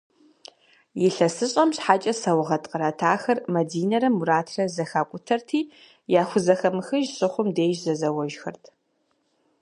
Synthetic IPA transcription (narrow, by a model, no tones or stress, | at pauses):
jɪɬɐsɨɕʼɐmɕħaːt͡ʃʼɐsɐwʁɐtʼqʼəɾɐtʰaːxɐrmɐdiːnɐɾɐmuɾaːtʰrɐzɐxaːkʷʼʊtʰɐrtʰiː | jaːxʷʊzɐxɐmɨxɨʒɕʼɨχʷʊmdeːʒzɐzɐwɐʒxɐ̰rtʰ